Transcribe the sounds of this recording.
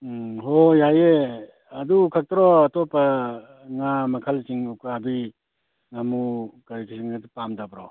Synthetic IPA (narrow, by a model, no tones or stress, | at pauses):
ɦojaje | ɐdukʰak̚tɾɔɐtɔpɐ | ŋamɐkʰalsiŋukabi | ŋamukaɾikʰisiŋɡadipamdabɾɔ